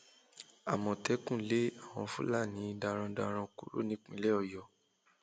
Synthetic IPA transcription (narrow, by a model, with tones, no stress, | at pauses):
a˨mɔ̃˨tɛ˨˦kũ˦˨le˨˦a˦˨w̃ɔ̃˧fu˦la˦˨nĩ˨˦˧da˧ɾ̃ã˧da˧ɾ̃ã˧ku˨ɾo̰˦nĩ˨˦k͡pĩ˧˦lɛ˦ɔ˧˨jɔ˨